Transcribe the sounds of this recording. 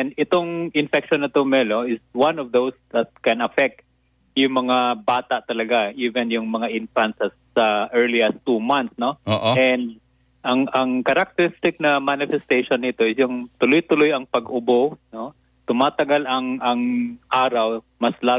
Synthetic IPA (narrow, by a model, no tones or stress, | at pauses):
ɛnd̪ɪt̪oŋʔɪnfɛkʃonːɐt̪omɛloɪswanɔvðowsðɐt̪̚kɛnɐfɛk̚t̪ | jʊŋmɐŋabaːt̪aʔt̪ɐlɐɡaʔiːvɛnjʊŋmɐŋaʔɪnfant̪sɐːɐʔɛɹliɐst̪umanθsnooːɛnd̪̚ | ʔɐŋɐŋkɐɾak̚t̪ɛɾɪst̪ɪk̚nɐmanɪfɛst̪ejʃonːɪt̪o̞ɪsjʊŋt̪ʊlojt̪ʊlojɐŋpɐɡʊbono | t̪ʊmaːt̪ɐɡalɐŋɐŋʔaːɾaw | mɐslaː